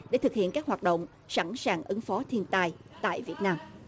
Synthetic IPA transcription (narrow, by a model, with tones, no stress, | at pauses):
ɗḛ˧˩t̪ʰɨ˨˩k̚hḭ˧˨ənkaː˦˥k̚waː˨˩t̚ɗə̰˧˨wŋ͡m | sa˧˩nsaː˨˩ŋʔɨ˨˦ŋfɔ˨˦t̪ʰi˧ənt̪aː˧jt̪a̰ː˧˨jvi˨˩ət̚naː˧m